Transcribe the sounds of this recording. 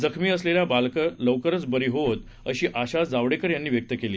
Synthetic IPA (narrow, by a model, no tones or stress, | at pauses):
d͡zəkʰmiːəsleljabalkələʋkəɾət͡sbəɾiːɦoət̪ | əɕiːʔaɕad͡zaʋɽekəɾjanːiːʋjək̚t̪əkeliː